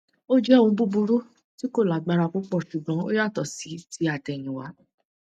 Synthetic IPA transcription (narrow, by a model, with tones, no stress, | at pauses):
o˦d͡ʒɛ˦˨ũ˧˦bu˦bu˧ɾu˦ | ti˦ko˦˨la˨ɡ͡ba˧ɾa˧k͡pu˦k͡pɔ˦˨ʃu˨ɡ͡bɔ̃˨˦o˦ja˦˨tɔ˨si˨˦ti˨˦a˨tɛ˨j̃ĩ˨wa˨˦